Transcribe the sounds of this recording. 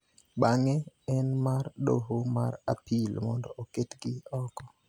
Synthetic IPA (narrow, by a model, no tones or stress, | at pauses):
ɓaŋeɛnmarɗo̰ɦomara̰pʰilmɔndɔʔoketɡɪɔkɔ